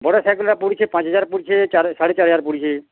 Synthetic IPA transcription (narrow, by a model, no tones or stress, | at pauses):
bɔɽasaːkəlɾapuɽit͡ʃʰepãt͡ʃɦəd͡ʒaːɾpuɽit͡ʃʰet͡ʃaɾsaɽet͡ʃaːɾɦəd͡ʒaːɾpuɽit͡ʃʰe